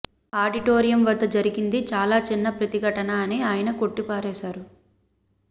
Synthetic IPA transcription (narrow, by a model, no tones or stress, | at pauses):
aːɖiʈoːɾijɐmʋɐd̪ːɐd͡ʒɐɾiɡind̪it͡ʃaːlaːt͡ʃinːɐpɾɐt̪iɡʱɐʈɐnaːɐneaːjɐnɐko̞ʈːipaːɾɛːsaːɾu